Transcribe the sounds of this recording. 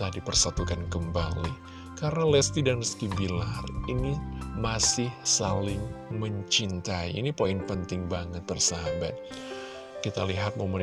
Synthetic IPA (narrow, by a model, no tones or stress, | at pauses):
adipərsat̪ukankəmbali | kaɾənalɛst̪idanəskibilarinimasɪhsalɪŋməɲt͡ʃint̪aḭːnipoinpənt̪ɪŋbaŋət̪̚bərsaɦabat̪̚ | kit̪aliɦat̪̚momən